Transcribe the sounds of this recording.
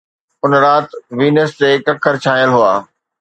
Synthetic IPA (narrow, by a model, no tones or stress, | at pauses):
ʊnɾaːt̪ʋiːnəst̪ekɐkʰəɾt͡ɕʰaːjəlɦuaː